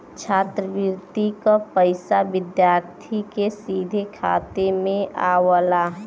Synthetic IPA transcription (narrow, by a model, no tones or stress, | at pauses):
t͡ʃʰaːt̪ɾəʋɪɾt̪ikapəɪsaʋɪd̪jaːɾt̪ʰikesiːd̪ʱekʰa̰ːt̪emẽaːwəlaɦɛ